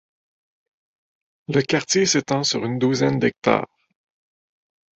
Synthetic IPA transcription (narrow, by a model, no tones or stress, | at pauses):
ləkaʁt̪jeset̪ɑ̃syʁynd̪uzɛnd̪ɛk̚t̪a̰ːʁ